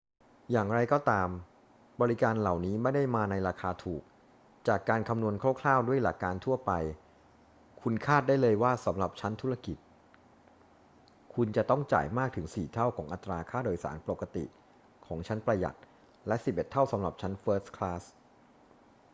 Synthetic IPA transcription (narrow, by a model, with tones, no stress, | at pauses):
jaː˨˩ŋɾa˧jkɔː˥˩t̪aː˧m | bɔː˧ɾi˦˥kaː˧nla˨˩wniː˦˥ma˥˩jda˥˩jmaː˧na˧jɾaː˧kʰaː˧t̪ʰuː˨˩k̚ | t͡ɕaː˨˩kːaː˧nkʰa˧mnu˧ənkʰa˥˩wkʰlaː˥˩wdu˥˩əjlaː˧˩kːaː˧nt̪ʰu˥˩ɐpa˧j | kʰu˧nkʰaː˥˩t̪̚da˥˩jlɤː˧jwaː˥˩sa˩˦mɾa˨˩p̚t͡ɕʰa˦˥nt̪ʰu˦˥ɾa˧ki˨˩t̪̚ | kʰu˧nt͡ɕa˨˩t̪ɔ˥˩ŋt͡ɕa̰ː˨˩jmaː˥˩k̚t̪ʰɯ˩˦ŋsiː˨˩t̪ʰa˥˩wkʰɔː˩˦ŋʔa˨˩t̪ːɾaː˧kʰaː˥˩doː˧jsa̰ː˩˦npo˨˩kːa˧t̪ḭ˨˩ | kʰɔː˩˦ŋt͡ɕʰa˦˥npɾa˧ja̰˨˩t̪̚ | lɛ˦˥ʔsi˨˩p̚ʔe˨˩t̪ʰːa˥˩wsa˩˦mɾa˨˩p̚t͡ɕʰa˦˥nfɤː˦˥tskʰlaː˦˥s